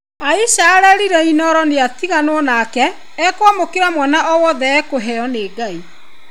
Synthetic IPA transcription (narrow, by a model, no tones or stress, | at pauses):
aisaɛɾɛɾiɾɛinɔɾɔneatiɣanwɔnaːkɛː | kwamokeɾamwɛnaɔwɔðɛɛkoɦɛɔneːɡai